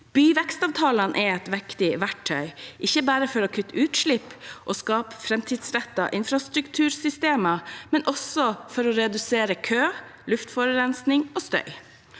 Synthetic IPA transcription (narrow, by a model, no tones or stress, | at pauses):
b̥yːʋɛkst̪ɑːʋt̪ʰɑːlɑnʔɛɛt̪ʋɛkt̪ɪʋæʈʰːœʏʔɪçːəbæːɾəfɔɾɔkʰʉt̪ːəʉːt̪ʂɭɪpːʔoskɑːpfɾɛmt̪ʰiːd̪sɾɛt̪ːɑ̰ʔɪnfɾɑst̪ɾʉkt̪ʰʉːɾsʏst̪eːmɑmɛnʔɔsɔfɔɾɔɾɛd̪ʉseːɾəkʰøːlʉft̪fɔɾəɾɛnsnɪŋoːst̪œ̰ʏ